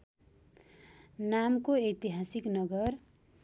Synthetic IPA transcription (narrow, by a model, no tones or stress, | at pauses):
namkoejt̪iɦasiknʌɡʌr